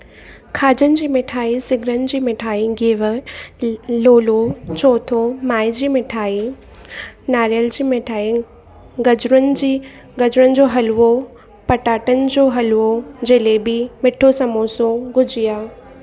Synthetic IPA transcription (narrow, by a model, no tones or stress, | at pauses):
kʰaːd͡ʑənɪ̆d͡ʑiːmɪʈʰaːisɪɡʱɾənɪ̆d͡ʑiːmɪʈʰaːiɡeːʋə | loːlot͡ɕoːt̪ʰomaːid͡ʑiːmɪʈʰaːi | naːɾijəld͡ʑiːmɪʈʰaːi | ɡɐd͡ʑɾənɪ̆d͡ʑiː | ɡɐd͡ʑʊɾənɪ̆d͡ʑoːɦɐlo | pɐʈaːʈənɪ̆d͡ʑoːɦɐlod͡ʑɐːlebɪmɪʈʰosɐmoːsõɡʊd͡ʑijaː